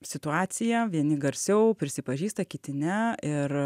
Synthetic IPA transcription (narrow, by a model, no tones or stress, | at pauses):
sʲɪt̪ʊɑːsʲɪjɛʋʲiɛnʲɪɡɐɾʲsʲɛʊpʲɾʲɪsʲɪpɐʒʲiːst̪ɐkʲɪt̪ʲɪnʲɛɪr